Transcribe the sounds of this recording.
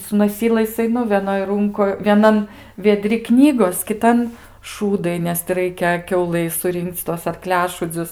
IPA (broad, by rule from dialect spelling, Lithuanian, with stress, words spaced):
sʊ noːˈsʲiːlˠɐɪs ɐɪˈnʊ ʋʲɛˈnoːj ˈrʊŋkoːj ʋʲiɛˈnɐn ʋʲiɛˈdʲrʲɪ ˈknʲiːɡoːs kʲɪˈtɐn ˈʃuːdɐɪ nʲɛs tʲɪ ˈrɐɪkʲɛ ˈkʲɛʊlˠɐɪ sʊˈrʲɪŋkt͡s tuɔs ɐrˈklʲæːʃuːd͡zʲʊs